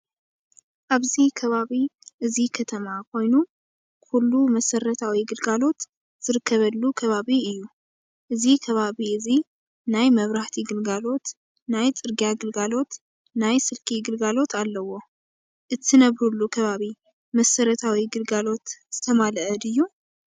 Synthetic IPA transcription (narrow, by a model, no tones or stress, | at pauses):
ʔaβzikʰɐβaβiʔɨzikʰɐt̪ʰɐmakʰo̞jnu | kʰulːumɐsɐɾɐt̪ʰawiɡɨlɡalo̞t̪ | z̥ɨɾɨkʰːɐβɐlːukʰɐβaβiɨjːu | ʔɨzikʰɐβaβiɨzi | najmɐβɾaht̪ʰiɡɨlɡalo̞t̪ | najt͡sʼɨɾɡijaɡɨlɡalo̞t̪ | najsɨlkʰiɡɨlɡalo̞t̪ʰalːɐwo̞ | ʔɨt̪ʰːɨnɐβɾulːukʰɐβaβi | mɐsɐɾɐt̪ʰawiɡɨlɡalo̞t̪z̥ɨt̪ʰɐmalɐʔɐd̪ɨjːu